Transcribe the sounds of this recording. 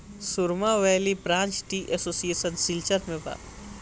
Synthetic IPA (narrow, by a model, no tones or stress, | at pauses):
sʊɾmaʋɛːlipɾãːnt͡ʃʈiʔesoːsieːsənsɪlt͡ʃəɾmẽba̰ː